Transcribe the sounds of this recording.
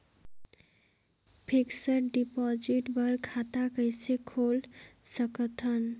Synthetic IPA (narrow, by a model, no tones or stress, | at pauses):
pʰiksəɾɖipɔd͡ʒiʈbəɾkʰat̪akəjsekʰolsəkət̪ʰən